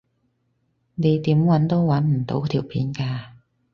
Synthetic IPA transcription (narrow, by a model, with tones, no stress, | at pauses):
ne˨˧jt̪iː˨˥mwɐ˨˥nt̪o˥wwɐ˨˥nm̩˨˩t̪o̰˧˥wt̪ʰiː˨˩wpʰiː˨˥nkaː˧